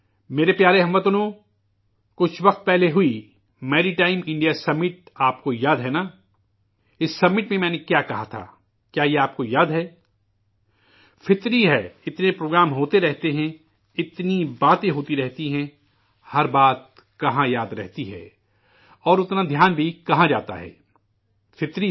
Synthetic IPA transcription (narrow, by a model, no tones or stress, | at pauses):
meːɾepjaːɾeɦɐmʋət̪ʊnõ | kʊt͡ʃʰʋɐqt̪̚pɛɦleɦʊi | mɛːɾiʈaːɪmɪ̃ɳɖijasɐbmːɪʈ̚aːp̚kojaːd̪ɦɛnaː | ɪsːɐbmːɪʈmẽmɛ̃ːnekjaːkɐɦat̪ʰa̰ː | kjaːjeaːp̚kojaːd̪ɦɛː | fʰɪt̪ɾiɦɛɪt̪nepɾoːɡɾaːmɦoːt̪eɾɛɦt̪eɦɛ̃ | ɪt̪nibaːt̪ẽɦoːt̪iɾɛɦt̪iɦɛ̃ | hɐɾbaːt̪̚ | kɐɦãjaːd̪ɾɛ̰ɦt̪iɦɛ̰ː | ɔːɾʊt̪nad̪ʱjaːnbʱikɐɦãd͡ʒaːt̪a̰ɦɛ̰ː | fʰɪt̪ɾi